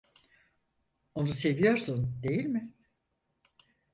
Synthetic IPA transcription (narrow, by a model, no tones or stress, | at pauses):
o̞nuse̞vijo̞ɾsund̪e̞jilʲmɪ